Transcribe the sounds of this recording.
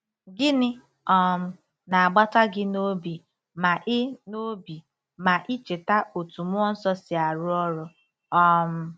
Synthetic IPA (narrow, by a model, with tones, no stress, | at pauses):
ɡɪ˦nɪ˦ | ɔ˦m̩˨ | na˨a˨ɡ͡ba˦ta˦ɡɪ˦no˦bi˨ | ma˨ʔɪ˦no˦bi˨ | ma˨ʔɪ˦t͡ʃe˨ta˦o˨tu˨mʊ˦ɔ˦n̩˦sɔ˦sɪ˨a˨ɾʊ˦ɔ˦ɾɔ˦ | ɔ˦m̩˦